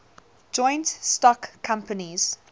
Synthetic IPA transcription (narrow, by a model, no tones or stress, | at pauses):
d͡ʒɔ̃ɪ̃ntstɔkʰːãmpəniz̥